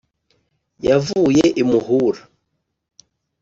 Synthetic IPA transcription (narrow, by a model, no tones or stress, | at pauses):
javujeʔimuhuɾa